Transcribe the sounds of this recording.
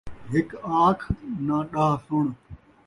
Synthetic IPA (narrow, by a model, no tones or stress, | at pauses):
ɦɪkaːkʰnãːɗaːsʊɳ̃